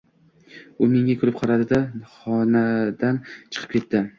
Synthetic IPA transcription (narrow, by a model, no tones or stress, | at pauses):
ʊmɪŋʲakʰʲʊɾɪp̚qʰɑɾad̪ɪd̪aχɒnad̪ant͡ʃʰɨ̥qʰɨ̥p̚kʲe̞t̪ːɪ